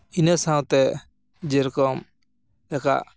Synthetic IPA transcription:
inəsãw̃t̪ɛ | d͡ʒɛɾkɔm | jaka̰ʔ

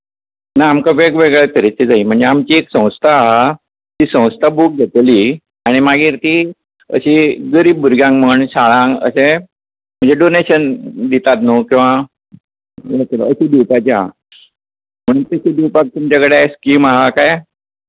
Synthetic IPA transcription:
najamkaʋeɡʋeɡɛɭet̪əɾet͡ɕid͡zaim̤əɳd͡zeamt͡ɕieksə̃w̃st̪ʰaɦa | t̪iːsə̃w̃st̪ʰabuk̚ɡʱet̪liː | aɽ̃imaɡiːɾt̪i | ə̰ɕiɡəɾiːbːuɾɡjãŋɡm̤əɳɕaɭãŋɡə̰ɕẽ | m̤əɳd͡zeɖoneɕənd̪it̪at̪nokĩw̃ʋa | ət̪l̰əɕid̪iwpat͡ɕia | m̤əɽ̃uːnt̪əɕid̪iwpak̚t̪umt͡ɕakəɽaskiːmaɦakaj

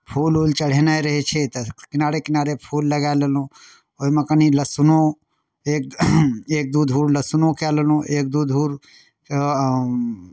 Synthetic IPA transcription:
pʰulult͡ʃəɽ̤enajɾəɦɛt͡ʃʰɛt̪kɪnaɾekɪnaɾepʰulːəɡaelelũ | oɦimekəniləsuno | ek̚ek̚d̪ud̪ʱuːɾləsunõkɛlelũʔek̚d̪ud̪ʱuɾ

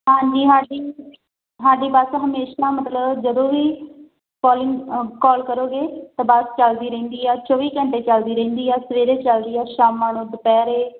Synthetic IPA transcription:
ɦãːɲd͡ʒiːɦãːɖiː | ɦãːɖiːbəsɦəmeːʃaːmət̪ləbd͡ʒəd̪õːʋiː | kɔːlɪŋkɔːlkəɾoːɡeːt̪aːbast͡ʃald̪iːɾẽːnd̪iːɛːt͡ʃoːʋiːkə̃ɳʈeːt͡ʃald̪iːɾẽːnd̪iːɛːsəʋeːɾeːt͡ʃəld̪iːɛːʃaːmːaːɳõːd̪əpɛːɾeː

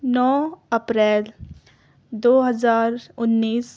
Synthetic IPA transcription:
nɔːɐpɾɛːl | d̪oːɦəzaːɾʊnːiːs

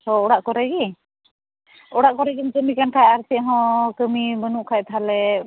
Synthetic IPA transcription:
hɔɔɽaʔkɔɾɛɡi | ɔɽaʔkɔɾɛɡind͡ʒəmikankʰajaɾt̪iʔɦɔ̃kəmibənuʔkʰajt̪ɦalɛ

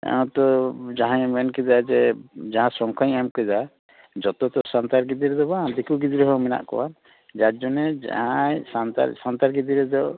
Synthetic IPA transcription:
ɛ̰ɔ̃t̪ɔd͡ʒaɦãɲmɛnkɛd̪ad͡ʒɛd͡ʒaɦãsɔŋkʰaɲɛmkɛd͡ʒ̪a | d͡ʒɔt̪ɔt̪ɔsant̪aɾɡid̪iɾɛd̪ɔbãd̪ikuɡid̪iɾɔɦɔmɛna̰ʔkɔ̰wan | d͡ʒaɾd͡ʒɔnɛd͡ʒa̰ajsant̪a̰ɾsant̪aɾɡid̪iɾɛd̪ɔ

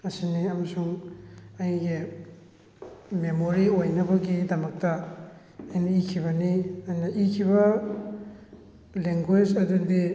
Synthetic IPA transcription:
ɐsiniɐmɐsuŋɐjɡi | memoɾiojnɐbɐɡidɐmɐk̚tɐ | ɐjnɐikʰiβɐniɐjnɐʔikʰibɐ | leŋɡwed͡ʒɐdudi

